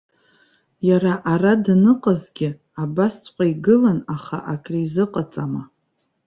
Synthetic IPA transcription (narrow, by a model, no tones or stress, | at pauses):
jaraʔaradnɨqʼazɡʲɪ | abast͡sʷʰʼqʷʼaiɡɨlanaχa̰ʔakʼrizɨqʼat͡sʼama